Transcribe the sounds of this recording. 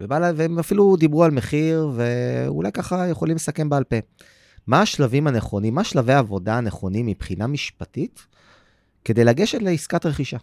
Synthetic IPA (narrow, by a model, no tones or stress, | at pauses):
vebalaveemafilud̪ibʁualme̞χiʁve̞ṵlajkaχajeχo̞limlesake̞mbealpe | maːʃlavimaneχo̞nimːaːʃlavejaːvo̞daːneχo̞nimipχinamiʃpatit̪ | ke̞d̪e̞jlaɡeʃetleiskat̪ʁe̞χiʃa